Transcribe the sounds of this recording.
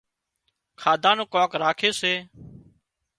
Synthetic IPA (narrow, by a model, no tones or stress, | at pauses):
kʰaːd̪ʱaːnõːkoːkɾaːkʰeːseː